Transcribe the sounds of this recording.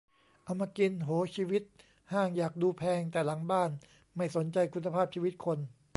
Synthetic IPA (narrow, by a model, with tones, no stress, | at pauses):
ʔa˧mːaː˧ki˧nɦoː˩˦t͡ɕʰiː˧wi˦˥t̪̚ | haː˥˩ŋjaː˨˩k̚duː˧pʰɛː˧ŋt̪ɛː˨˩la˩˦ŋbaː˥˩n | ma˥˩jso˩˦nt͡ɕa˧jkʰu˧nːa˧pʰaː˥˩p̚t͡ɕʰiː˧wi˦˥t̪̚kʰo˧n